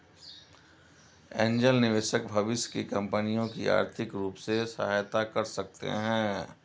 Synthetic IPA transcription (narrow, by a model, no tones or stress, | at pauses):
ẽːɲd͡ʒəlnɪʋeːʃək̚bʱɐʋɪʃkikɐ̃mpənijõkia̰ːɾt̪ʰɪkɾuːpsesɐ̰ɦaːjt̪akɐɾsɐk̚t̪ḛɦɛ̃ː